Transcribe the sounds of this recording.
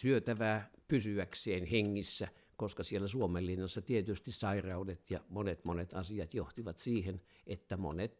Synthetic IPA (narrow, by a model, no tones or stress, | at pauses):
syøt̪æʋæːpysyækseːnheŋːisːæ | koskɑsielːˑæsuomelːinːɑsːɑt̪iet̪yst̪issɑirɑudet̪jɑmonet̪monet̪ɑsiɑt̪joht̪iʋɑt̪siːhen | ʔet̪ːæmo̰net̪